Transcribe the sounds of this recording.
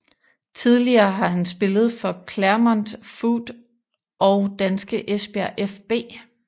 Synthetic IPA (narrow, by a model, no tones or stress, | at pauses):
t͡sʰið̞ˠliɐːɦɑ̈hænsb̥e̝lð̞̩ˠfɒ̽kʰlæɐmɒnd̥fuːd̥ | ɒʊd̥ænsɡ̥əʔesb̥æɐʔefb̥e̝̰ː